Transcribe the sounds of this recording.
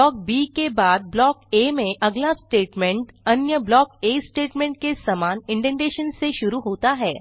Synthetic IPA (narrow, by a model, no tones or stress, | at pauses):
ɔk̚bikebad̪̚blɔkemeʔəɡljasʈeʈmẽɳʈənjəblɔkesʈeʈmẽɳʈ̚kesəmaniɳʈẽɳɖeɕənseɕuɾuːɦot̪aɦɛ